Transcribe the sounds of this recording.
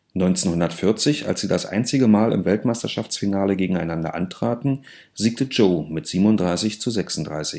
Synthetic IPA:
nɔʏnt͡seːnhʊndɐtfɪɐt͡sɪça̰lsz̥iːdasʔa̰ɪnt͡sɪɡəmaːlɪ̰mvɛltmaɪstɐʃaft͡sfinaːləɡeːɡŋ̩aɪnandɐ̰ʔa̰ntʁ̥aːtn̩ | ziːk̚təd͡ʒoʊmɪtz̥iːbmnʊndʁaɪsɪçt͡suzɛksʊn̩td̥ʁa̰ɪsɪç

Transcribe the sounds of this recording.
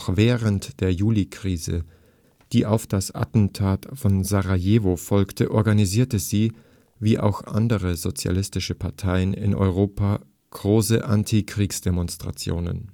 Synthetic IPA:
xvɛːʁəntd̥eːɐjuːlikʁ̥iːzə̰ | d̥iːʔaʊfd̥asʔa̰tn̩tʰaːtfɔnzaʁajeːvofɔlktʰəʔɔɐɡaniziːɐtəziː | viːʔa̰ʊxʔa̰ndəʁəzot͡sja̰lɪstɪʃəpʰaɐtʰaɪənɪ̰nʔɔ̰ʏʁ̞oːpa | ɡ̥ʁoːsəʔantʰikʁ̥iːksd̥emɔnstʁ̥a̰t͡sjo̰ːnə̰n

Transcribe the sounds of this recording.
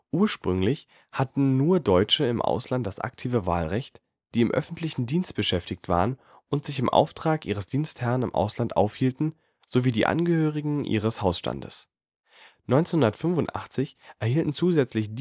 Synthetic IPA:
ʔuːɐʃpʁ̥ʏŋlɪç | hatn̩nuːɐdɔʏt͡ʃəɪmʔa̰ʊslant̚d̥asʔa̰k̚tʰiːvəva̰ːlʁɛçt | d̥iːɪmʔœ̰fn̩tʰlɪçn̩diːnst̚b̥əʃɛftɪktv̥a̰ːʁən | ʊntz̥ɪçɪmʔa̰ʊftʁ̥aːkʔiːʁ̞əsd̥iːnsthɛʁənɪmʔa̰ʊslantʔa̰ʊfhiːltn̩ | z̥oviːdiːʔa̰nɡəhøːʁɪɡŋ̩ʔḭːʁ̞əshaʊsʃta̰ndə̰s | nɔʏnt͡senhʊndɐtfʏnvʊntʔa̰χt͡sɪçʔɛɐhiːltn̩t͡suːzɛt͡slɪçd

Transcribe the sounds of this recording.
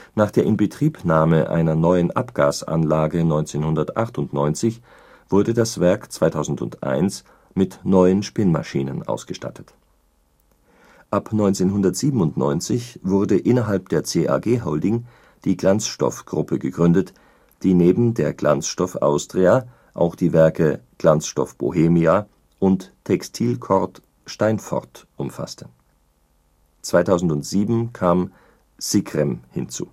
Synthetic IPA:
naːχd̥eːɐʔɪnbətʁ̥iːpnaːməʔa̰ɪnɐnɔʏənʔapɡ̥a̰ːsʔa̰nlaːɡənɔʏnt͡seːnhʊndɐtʔaχtʊntnɔʏnt͡sɪç | v̥ʊɐdədasv̥ɛɐkt͡sv̥aɪtʰaʊzn̩dʊ̰ntʔa̰ɪns | mɪtnɔʏənʃpɪnma̰ʃiːnə̰nʔa̰ʊsɡ̥əʃta̰tʰət | ʔapnɔʏnt͡seːnɦʊndɐtz̥iːbm̩ʊntnɔ̰ʏnt͡sɪçv̥ʊɐdəʔɪnɐɦalp̚d̥eːɐt͡seːʔa̰ɡeːɦɔʊldɪŋ | d̥iːɡlant͡sʃtɔ̰fɡ̥ʁʊpʰəɡəɡʁʏndət | d̥iːneːbm̩deːɐɡlant͡sʃtɔfʔa̰ʊstʁ̥ea | ʔa̰ʊxd̥iːvɛɐkəɡ̥lant͡sʃtɔ̰fb̥o̰ɦeːmia | ʔʊnttʰɛkstʰiːlkʰɔʁt | ʃtaɪnfɔ̰ʁtʔʊmfa̰stʰə̥ | t͡sv̥aɪtʰaʊzn̩tʊntz̥iːbm̩kʰaːm | z̥ikʁ̥ɛmhɪ̰nt͡sṵː

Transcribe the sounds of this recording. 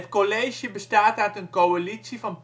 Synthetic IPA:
ətkoleːʒjəbəstaːtœɥtənkoalisivɑnp

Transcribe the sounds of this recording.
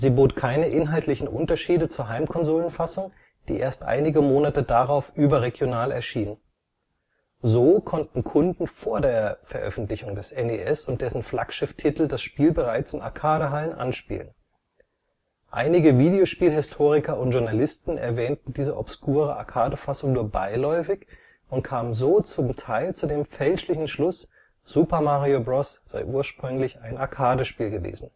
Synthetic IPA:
ziːboːtkʰaɪnəʔɪnɦaltʰlɪçn̩ʔʊ̰ntɐʃiːdət͡suːɐɦaɪmkʰɔnzoːlənfasʊŋ | d̥ḭːʔeːɐstʔa̰ɪnɪɡəmoːnatədaʁaʊfʔyːbɐʁeɡjonaːlɛ̰ɐʃiːnən | zoːkʰɔntn̩kʰʊndn̩foːɐdeːɐfɛɐʔœ̰fn̩tlɪçʊŋdɛsʔɛneʔɛsʊnt̚d̥ɛsn̩fla̰kʃɪftʰitl̩dasʃpiːlbəʁaɪt͡sɪna̰ɐkʰaːɾəɦalənʔa̰nʃpḭːlən | ʔa̰ɪnɪɡəviːdejoʃpiːlɦɪstʰoːʁ̞ɪkɐʊntʒ̥ʊɐnalɪstn̩ɛ̰ɐvɛːntn̩diːzəʔɔpskʰuːʁəʔa̰ɐkʰaːdəfasʊŋnuːɐba̰ɪlɔʏfɪç | ʊntkʰaːmənzoːt͡sʊmtʰaɪlt͡sudeːmfɛlʃlɪçn̩ʃlʊs | z̥uːpɐmaʁiobʁɔsz̥a̰ɪʔuːɐʃpʁ̥ʏŋlɪçaɪnaɐkʰaːdəʃpiːlɡəvḛːzn̩

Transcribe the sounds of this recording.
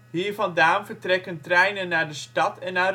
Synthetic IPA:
ɦiːɹvɑndaːnvəɹtrɛkəntrɛjnənːaːɹdəstɑtɛnːaːr

